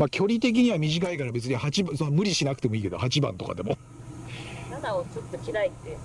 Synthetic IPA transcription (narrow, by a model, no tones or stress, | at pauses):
makʲʰo̞ɾʲit̪e̞k̬ʲiɲ̟iβamʲiʑikaikaɾabe̞t͡sɨɲ̟ihat͡ɕibsmɯ̟ɾʲiɕinakɯ̟̥e̞mo̞iːke̞d̪ohat͡ɕibã̰nt̪o̞ka̰d̪e̞̰mo | nad̪aot͡sɨt̪ːokʲiɾait̪ːe